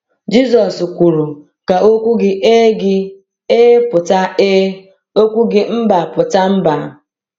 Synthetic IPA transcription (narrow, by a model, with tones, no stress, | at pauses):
d͡ʒi˦zɔ˨skʷu˨ɾu˨ | ka˨o˦kʷu˦ɡɪ˦ʔe˦ɡɪ˦ | eː˦pʊ˨ta˦e˦ | o˦kʷu˦ɡɪ˦m̩˦ba˨pʊ˨ta˦m̩˦ba˨˦˨